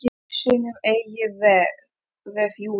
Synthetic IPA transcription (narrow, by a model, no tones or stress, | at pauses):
ɪ | sɪːnʏmeːjɪðɛ | ðɛfju